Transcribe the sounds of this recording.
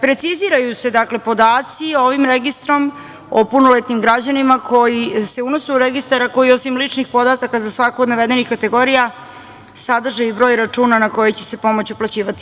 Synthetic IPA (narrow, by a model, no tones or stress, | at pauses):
pɾe̞t̪siziɾajuse̞d̪akle̞po̞d̪aːt̪sio̞ʋimɾeɡist̪ɾo̞m | opunolet̪nimɡɾad͡ʑanimakʰo̞jise̞unosuuɾeɡist̪aɾako̞jio̞simlit͡ʂnixpo̞d̪at̪akazasʋakoːd̪naʋe̞d̪e̞nixkat̪e̞ɡo̞ɾija | sad̪r̩ʒajubɾo̞ːjɾat͡ʂuːnanako̞jet͡ɕe̞̥se̞po̞mo̞t͡ɕuplˠat͡ɕiːʋat̪i̥